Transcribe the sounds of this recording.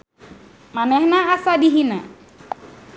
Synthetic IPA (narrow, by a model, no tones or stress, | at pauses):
manɛhnaasadiɦina